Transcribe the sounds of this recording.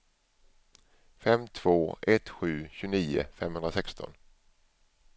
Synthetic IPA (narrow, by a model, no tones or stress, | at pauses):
fɛmt̪ʰv̥oːʔɛt̪ɧʉ̟ːɕʉːniːʊ̰fɛmhɵnd̪ɾasɛkst̪ʰɔ̰n